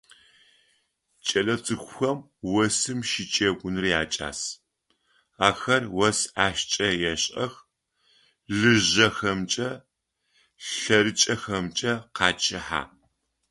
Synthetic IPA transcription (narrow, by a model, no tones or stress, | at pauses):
t͡ʃʼɐlɐt͡sʼɨxʷʊxɐm | wɐsɨmʃɪt͡ʃʼeːɡʷʼʊnɨrjaːt͡ʃʼa̰ːs | aːxɐrwɐsaːʃt͡ʃʼɐjɛɕʼɐx | ɮɨʑɐxɐmt͡ʃʼɐ | ɬɐɾɨt͡ʃʼɐxɐmt͡ʃʼɐqɑːt͡ʃʼɪħa̰ː